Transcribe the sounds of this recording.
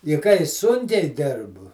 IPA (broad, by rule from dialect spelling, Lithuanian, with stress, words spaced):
ɪ kɐɪ ˈsʊŋʲkʲɛɪ ˈdʲɪrbʊ